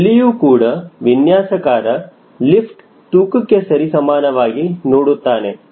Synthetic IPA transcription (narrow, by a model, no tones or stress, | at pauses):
lijuːkuːɽɐʋinjaːsɐkaːɾɐ | lipʰʈ | ʈuːkukːesɐɾisɐmaːnɐʋaːɡinoːɽut̪ːaːne